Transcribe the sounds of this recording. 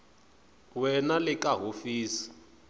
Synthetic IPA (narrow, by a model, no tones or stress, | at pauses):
wɛnalɪkaɦofiːsi̥